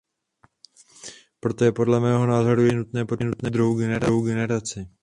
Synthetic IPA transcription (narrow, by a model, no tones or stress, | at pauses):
pɾo̞t̪ojɛpo̞dlɛmɛːɦo̞naːzoɾujɛnut̪nɛːpoɛnut̪nɛːd̪ɾuɦowɡɛnɛɾaɦowɡɛnɛɾat͡sɪ